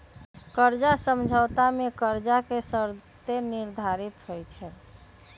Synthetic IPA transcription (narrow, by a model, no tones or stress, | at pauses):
kəɾd͡ʒasəmd͡ʒʱəwt̪amekəɾd͡ʒakesəɾt̪eniɾd̪ʱaɾit̪ɦojt͡ʃʰɛ